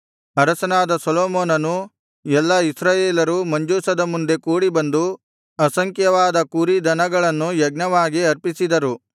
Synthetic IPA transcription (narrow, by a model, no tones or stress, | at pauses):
ɐɾɐsɐnaːd̪ɐsɐloːmoːnɐnu | ɛlːɐisɾaːjeːlɐɾumɐɲd͡ʒuːsɐd̪ɐmund̪e̞kuːɽibɐnd̪u | ɐsɐŋkjɐʋaːd̪ɐkuɾid̪ɐnɐɡɐɭɐnːujɐɡnɐʋaːɡiɐɾpisid̪ɐɾu